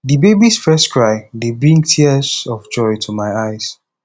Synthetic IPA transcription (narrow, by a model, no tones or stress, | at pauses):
dibebisfɜstkʰɹaɪdebɹĩŋtʰiəsɔvd͡ʒɔɪtʰumaɪaɪs